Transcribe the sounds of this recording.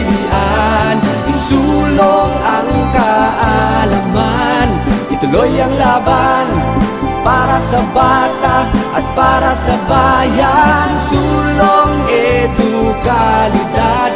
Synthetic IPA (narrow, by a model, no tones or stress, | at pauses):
iʔan | isuloŋɐŋkaʔalamanʔit̪ʊlojɐŋlaːban | paːɾasɐbaːt̪aʔɐt̪̚paːɾasɐbajansuloŋɛd̪ʊkalɪd̪a